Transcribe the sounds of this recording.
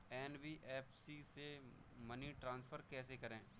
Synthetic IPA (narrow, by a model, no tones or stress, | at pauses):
ɛːnbiʔeːpʰsise | mɐniʈɾãːnspʰəɾkɛːsekɐɾẽː